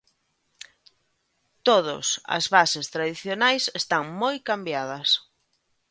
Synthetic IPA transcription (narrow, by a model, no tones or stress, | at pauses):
t̪oðʊ̰sɐ̰zβasest̪ɾaðiθjonajsest̪aŋmojkambjað̞ɐs